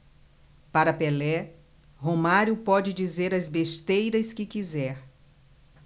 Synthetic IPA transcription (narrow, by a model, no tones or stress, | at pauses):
paɾɐpelɛ | homaɾjʊpɔd͡ʒɪd͡ʒizeɾɐzbest̪ejɾɐskɪkizɛɾ